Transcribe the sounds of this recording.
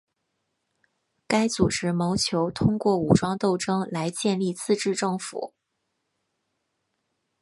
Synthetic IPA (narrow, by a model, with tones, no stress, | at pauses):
ka˥ɪt͡su˨˩ʈ͡ʂɻ̩˧˥mo˧˥ʊt͡ɕʰjo˧˥ʊt̪ʰʊ˥ŋkwɔ˥˩u˨˩ʈ͡ʂwɑ˥ŋt̪o˥˩ʊʈ͡ʂɤ˥ŋla˧˥ɪt͡ɕjɛ˥˧nli˥˧t͡sʰɹ̩˥˧ʈ͡ʂɻ̩˥˧ʈ͡ʂɤ˥˩ŋfṵ˨˩˦